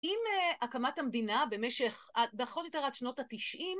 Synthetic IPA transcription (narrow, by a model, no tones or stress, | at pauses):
imeʔakamathamd̪inabemeʃeχabeaχotjo̞t̪e̞adʃno̞tatiʃʔim